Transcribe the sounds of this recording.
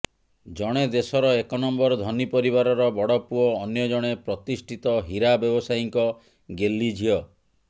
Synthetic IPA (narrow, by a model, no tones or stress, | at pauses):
d͡ʒɔɽ̃ed̪esɔɾɔekɔnɔmbɔɾɔd̪ʱɔnipɔɾiβaɾɔɾɔbɔɽɔpuɔːnjɔd͡ʒɔɽ̃epɾɔt̪isʈʰit̪ɔɦiɾabjɔbɔsajiŋkɔ | ɡelːid͡ʒʱiɔ